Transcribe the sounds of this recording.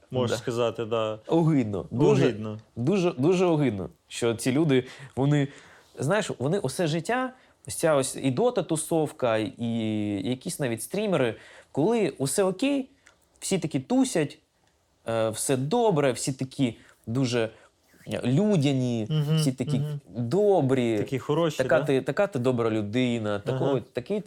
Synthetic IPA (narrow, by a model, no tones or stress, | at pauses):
mɔskɐzɑt̪ɪd̪aɔɦɪd̪̚nɔ̰d̪uʒɛd̪nd̪uʒɛd̪uʒɛɔɦɪd̪̚nɔ̰ʃt͡ʃɔt͡sʲilʲud̪ɪʋɔnɪ | znajɪʃʋɔnɪʔɔsɛʒɪtʲːa | ɔsʲt͡sʲaɔsʲḭd̪ɔt̪ɐt̪ʊsɔwkɐijɐkʲisʲnaʋʲitʲst̪ɾʲimeɾɪkɔlˠɪʊsɛɔkʲej | w̥sʲit̪ɐkʲit̪usʲɐtʲ | wsɛd̪ɔbɾɛwsʲit̪ɐkʲʰi | d̪uʒɛ | lʲudʲɐnʲisʲit̪ɐkʲid̪obɾʲikʲixɔɾɔʃɐkat̪ɪt̪ɐkat̪ɪd̪ɔbɾɐlʲʊd̪ɪnɐt̪ɐkɔɔt̪ɐkɪ